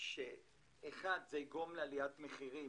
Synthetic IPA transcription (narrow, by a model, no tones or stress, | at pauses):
ʃeː | χad̪zeiɡomlealiatmeχiʁi